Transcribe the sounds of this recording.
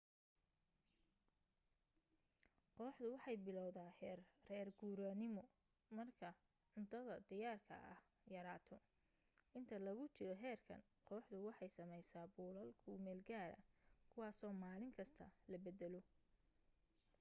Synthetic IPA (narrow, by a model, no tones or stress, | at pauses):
qɔːħd̪ʊwɑħɑjbɪlɔwðaːhɛːrrɛːrɡuːɾaːnɪmɔ | mɐrkʰɐ | ʕʊnt̪ʰɐðɐd̪ɪjaːrkʰɐ̰ʔɐ̰h | jɐɾaːt̪ʰɔ | ʔɪnt̪ʰɐlɐɣʊt͡ʃɪɾɔɦɛːrkʰɐ̰n | qɔːħd̪ʊwɑħɑjsɐmɛjsaːbuːlɐlkʰʊmɛːlɡaːɾɐ̰kʰʊwɑːsɔːmaːlɪŋkʰɐst̪ʰɐ̰lɐbɛd̪ɛlɔ